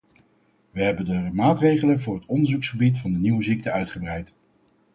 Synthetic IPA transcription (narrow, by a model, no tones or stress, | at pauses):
ʋəɦɛbəndəmaːtrejχələnvʊːɹɦətɔndəɹzuksχəbitfɑndəniwəzik̚təœɥtχəbrɛjt